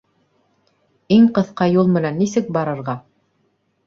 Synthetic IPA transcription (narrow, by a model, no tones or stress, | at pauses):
iŋqɤ̆θqɑjulˠmɘ̆nænːisɘk̚bɑɾɤ̆ɾʁɑ